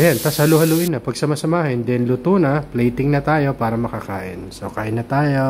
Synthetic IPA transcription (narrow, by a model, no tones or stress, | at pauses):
ʔɐjant̪ashɐluhɐluʔɪnːɐpɐɡsɐmasɐmaːhɪnd̪ɛnlʊt̪uːnɐplɛjt̪ɪŋnɐt̪aːjo̞paːɾɐmɐkɐka̰ːʔɪ̰nso̰kaːʔɪnːɐt̪aːjo